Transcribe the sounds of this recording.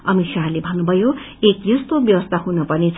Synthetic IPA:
ʌmisalebʱʌnːubʱʌjo | ekjʌst̪objʌwʌst̪ʰaɦunʌpʌnit͡sʰ

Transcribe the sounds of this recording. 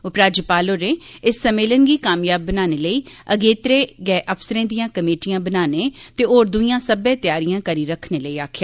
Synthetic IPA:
ʊpɾaːd͡ʒəpaːloːɾẽːɪsːəmeːlənɡiːkaːmjaːbːənaːneːləiːəɡeːt̪ɾeːɡɛːʔəpʰsəɾẽːd̪ijãːkəmeːʈijãːbənaːnẽːt̪eːoːɾd̪uijãːsəbɛ̃ːt̪ɪjaːɾɪjãːkəɾiːɾəkʰneːləiːaːkʰjaː

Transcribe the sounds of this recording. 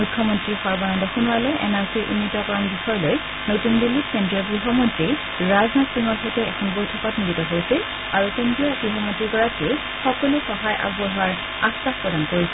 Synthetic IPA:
ukʰːjɔmɔntɹixɔɹbanɔndɔxunualoʔɛ̰naɹsiɹʔṵnːitɔkɔɹanbixɔɹloj | notunbilːip̚kendɹiɔɡɹiɦɔmɔntɹi | ɹaznatsiŋɔɹxɔjtɛɛ̰kʰɔnbojtʰɔpatniditɔɦojsil | aɹukendɹiɔbɹiɦɔmɔntɹiɡɔɹate | xɔkɔluxɔɦajʔa̰bɔɦaɹ | astaxpɹɔdankoɹis

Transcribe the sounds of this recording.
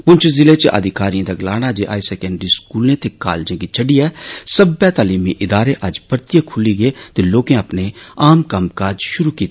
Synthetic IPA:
pʊnt͡ʃʰzɪlet͡ʃeʔə̰d̪ʱɪkaːɾijãd̪aɡlaːñad͡ʒeʔa̰ːisɛːkɛ̃ːɳɖɾiskuːlẽt̪eka̰ːld͡ʒẽkit͡ʃʰəɖiɛːsəbɛt̪aːliːmiʔɪd̪aːɾeʔɐd͡ʒpəɾt̪ɪjəkʰʊliɡet̪eloːkẽəpneaːmkɐmkaːd͡ʒʃʊɾukiːt̪ː

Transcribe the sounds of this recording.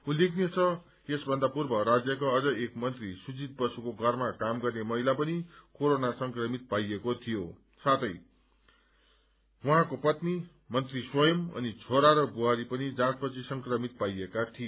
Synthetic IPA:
ũlekʰniet͡sʰʌ | esbʱʌnd̪apurbʌɾad͡zjʌkoʌd͡zʌekmʌnt̪risud͡zit̪̚bʌsukoɡʱʌrmakamɡʌrnemʌɦilapʌnikoɾonasʌŋkrʌmit̪̚pajekot̪ʰijo | sat̪ʌj | wuɦãkopʌt̪ni | mʌnt̪riswʌjʌmʌ̰nit͡sʰoɾaɾʌbuɦaɾipʌnid͡zãt͡spʌt͡sʰisʌŋkrʌmit̪̚pajekat̪ʰie

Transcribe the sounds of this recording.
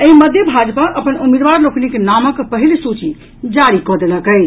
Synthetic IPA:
əiməd̪ʱjəbʱad͡ʒpaʔəpənumed̪ʋaɾloknikenaməkpəɦilsut͡ʃi | d͡ʒaɾikɔd̪eləkəɪt͡ʃʰ

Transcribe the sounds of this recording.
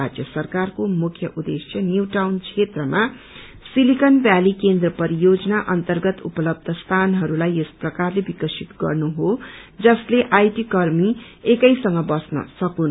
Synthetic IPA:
ad͡zjʌsʌrkarkomukʰjʌʔud̪esjʌnjuwʈawnt͡sʰet̪rʌma | silikʌnbjalikend̪rʌpʌɾijod͡zʌnaʔʌnt̪ʌrɡʌt̪ṵpʌlʌb̚d̪ʱʌst̪ʰanɦʌɾulajesprʌkarlebikʌsit̪ɡʌ̰rnuɦod͡zʌsleʔajʈikʌrmi | ekʌjsʌŋɡʌbʌsnʌ̰sʌkun

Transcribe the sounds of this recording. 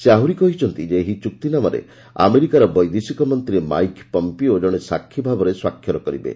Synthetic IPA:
seaɦuɾikɔɦit͡ʃʰɔnt̪id͡ʒeːɦit͡ʃuk̚t̪inamaɾḛ | a̰meɾikaɾɔbɔjd̪esikɔmɔnt̪iɾema̰jkpɔmpiod͡ʒɔɽ̃esakʰːibʱabɔɾeswakʰːjɔɾɔkɔɾibḛ

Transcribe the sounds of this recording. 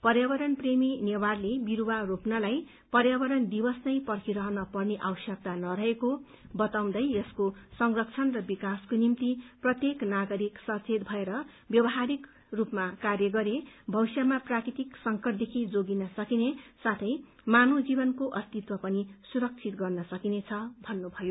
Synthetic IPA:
pʌrjabʌɾʌnpreminewarlebiɾuwaropnalaj | pʌrjabʌɾʌnd̪ibʌsnʌjpʌrkʰiɾʌɦʌnʌpʌrneʔa̰wʌsjʌk̚t̪anʌɾʌɦeko | bʌt̪aw̃nd̪ʌjʌskosʌŋrʌk̚t͡sʰʌnrʌbikaskonimt̪iprʌt̪jeknaɡʌɾiksʌt͡sʰet̪̚bʱʌeɾʌ | bjʌbʌɦaɾik | rupmakarjʌɡʌɾebʱʌwsjamaprakɾit̪iksʌŋkʌʈd̪ekʰid͡zoɡinʌsʌkinesat̪ʰʌj | manod͡zibʌnkoʔʌst̪it̪wʌpʌnisuɾʌk̚t͡sʰit̪ɡʌrnʌsʌkinet͡sʰʌbʱʌnːubʱʌjo

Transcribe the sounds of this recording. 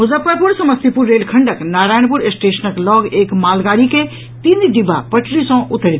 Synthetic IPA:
mʊzəpːəɾpʊɾsɐməst̪ipʊɾːeːlkʰɐɳɖəknaːɾaːjəɳpʊɾsʈeːʃənəklɔːɡeːkmaːlɡaːɾike | t̪iːnd̪ɖɪba̰pɐʈʰɾisɔ̃ʔʊt̪ːəɾi

